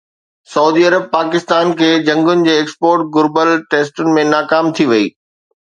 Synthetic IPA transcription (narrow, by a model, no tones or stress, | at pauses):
sɐuːd̪iɐɾəb̚paːkɪst̪aːnkʰeːd͡ʑɐ̃ŋɡʊnɪ̆d͡ʑeːeːkspoːɾʈ̚ɡʊɾbəlʈeːsʈʊnɪ̆mẽnaːkaːmt̪ʰiʋɐiː